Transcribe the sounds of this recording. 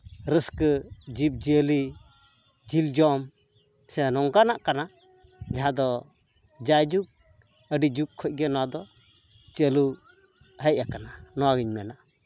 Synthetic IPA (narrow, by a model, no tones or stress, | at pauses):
ɾəskəd͡ʒip̚d͡ʒəli | d͡ʒild͡ʒɔm | sɛnɔŋɡanaʔkana | d͡ʒaɦãd̪ɔ | d͡ʒajd͡ʒuk̚ | əɖid͡ʒukkʰːɔc̚ɡɛnɔwad̪ɔ | t͡ʃəlu | həʔ̚akananɔwaɡiɲmɛnaʔ